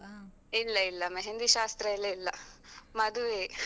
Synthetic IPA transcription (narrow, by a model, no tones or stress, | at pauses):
ilːɐilːɐmeɦend̪iʃaːst̪ɾɐilːɐlːɐmɐd̪uʋe